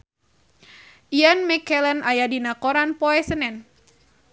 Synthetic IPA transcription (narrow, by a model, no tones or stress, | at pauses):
ʔianmɛkɛlənʔajadinakɔɾanpɔɛsənɛn